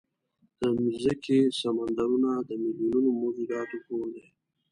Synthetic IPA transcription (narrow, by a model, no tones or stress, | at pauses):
d̪̥əmizəkʰesamand̪aɾunad̪əmiljununomozuɾɑːt̪okod̪e